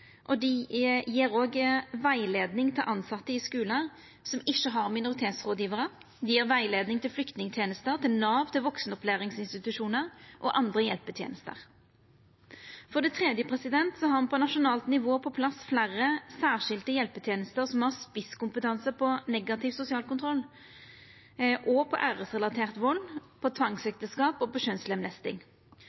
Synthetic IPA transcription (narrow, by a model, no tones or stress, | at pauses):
ʔɔd̪ɪjiːɾoːɡʋæɪleːd̪nɪŋt̪ʰɪlʔɑnsɑt̪ːəɪskʉːləʁ | sɔmɪʃːəɦɑʁmɪnʊʁɪt̪ʰeːt̪sʁoːd̪jiːʋəʁə | d̪ɪjiːʁʋæɪleːd̪nɪŋt̪ʰɪlflʏkt̪nɪŋt̪ʰjeːnəst̪əʁt̪ʰɪlnɑːʋt̪ɪlʋɔksnɔplæːʁɪŋsɪnst̪ɪt̪ʉʂuːnəʁʔɔʔɑnd̪ʁəjɛlpət̪ʰjḛːnəst̪ə̰ʁ | fɔʁd̪ɛt̪ʰʁɛd̪jəpʰʁɛsɪd̪ɛnt̪sɔhɑʁɑnpʰɔnɑʃʊnɑːlt̪nɪʋoːpʰɔpʰlɑsflæːʁəsæːʁʂɪlt̪əjɛlpət̪ʰjeːnəst̪əʁsɔmhɑʁspɪskʊmpət̪ʰɑnsəpʰɔnɛɡɑt̪ʰɪʋsʊsɪɑːlkʊnt̪ʰʁɔlː | ʔɔpʰɔʔæːʁəsʁɛlɑt̪ʰeːʁt̪ʋɔlːpʰɔt̪ʰʋɑŋsɛk̚t̪əskɑːpɔbɔʃønslɛmlɛst̪ɪ̰ŋ